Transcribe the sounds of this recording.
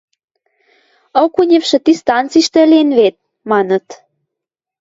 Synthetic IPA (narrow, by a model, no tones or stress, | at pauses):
okunʲĕfʃĕt̪ist̪ɑnt͡siʃt̪ĕlʲenβet̪̚ | mɑnə̆t̪